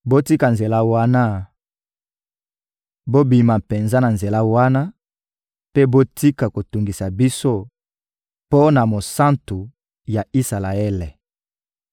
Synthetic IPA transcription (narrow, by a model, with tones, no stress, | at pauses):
bo˦ti˦ka˨nze˨la˦wa˦na˦ | bo˦bi˨ma˨pe˨nza˦na˨nze˨la˦wa˦na˦ | pe˦bo˦ti˦ka˨ko˨tu˨ŋɡi˨sa˨bi˦so˦ | po˦na˨mo˨sa˦ntu˨ | ja˨i˦sa˨la˨ɛ˦le˨